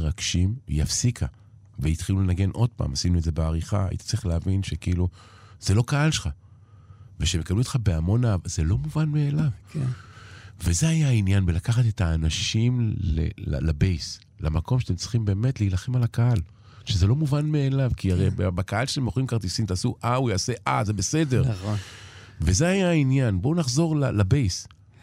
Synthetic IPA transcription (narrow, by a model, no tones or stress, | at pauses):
ʁaɡ̥ʃim̰jafsikʰa̰ | veit̪χilulenaɡe̞nʔo̞d̥̪̚pa̰ːmasinuedze̞beaʁiχa̰a̰ḭt̪ḁt͡siχleavinʃekiilu | z̥e̞lo̞kaalʃeχa | veʃemekabluot̪χabeamo̞navazelo̞muvanmeːlavk | vezeajainjanbelakaχat̪et̪aːnaʃimlḛa̰labejs | la̰makʰo̞mʃat̪emt͡si̥χimbe̞ːme̞t̪liːlaχemalakaal | ʃezelo̞muvanmeːlavkiaʁejbbakaalʃeemoχoimkaʁt̪isimt̪aːsuʔaujaːse̞ʔa̰ze̞be̞se̞de̞ʁn | vezeajainjanbo̞unaχzo̞ʁlalabejs